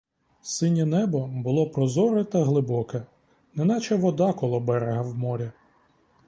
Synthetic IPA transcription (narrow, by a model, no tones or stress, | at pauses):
sɪnʲɐnɛbɔbʊlˠɔpɾɔzɔɾɛt̪ɐɦlˠɪbɔkɛ | nɛnɑt͡ʃɛʋɔd̪ɑkɔlˠɔbɛɾeɦɐwmɔɾʲɐ